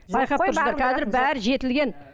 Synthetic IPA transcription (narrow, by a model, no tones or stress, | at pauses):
bɑjqʰɑpt̪ʊɾsʁɑɾkʰɑzɪɾbæɾʒe̞t̪ɪlɡʲe̞n